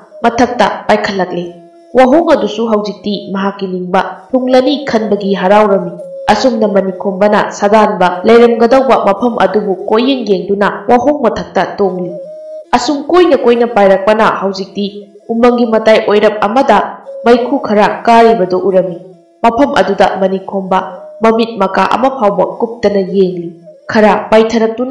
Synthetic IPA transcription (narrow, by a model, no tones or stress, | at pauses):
mɐtʰɐk̚tɐ̰pajkʰɐlːɐk̚li | waɦoŋɐdusuɦɐwd͡ʒik̚timɐɦakːiniŋbɐtʰuŋlɐnikʰɐnbɐɡiɦɐɾawɾɐmːiɐsuŋnɐmɐnikʰombɐnɐ̰sɐdanbɐlɐjɾɐmɡɐdɐwbɐmɐpʰɐmʔɐ̰dubukojːeŋjeŋdunɐwaɦoŋmɐtʰɐk̚tɐtoŋliɐsumkojnɐkojnɐpajɾɐk̚pɐnɐ̰hɐwd͡ʒik̚di | umɐŋɡimɐtajʔojɾɐp̚ɐmɐdɐmɐjkʰukʰɐɾɐkaɾibɐdoʔuɾɐmi | mɐpʰɐmʔɐ̰dudɐmɐnikʰombɐmɐmit̚mɐkaʔɐ̰mɐpʰawbɐkup̚tɐnɐjeŋlikʰɐɾɐpajtʰɐɾɐk̚tun